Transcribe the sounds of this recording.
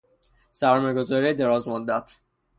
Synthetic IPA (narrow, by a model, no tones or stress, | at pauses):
sæɾmɒːjɡozɒːɾied̪eɾɒzmod̪ːæt̪ʰ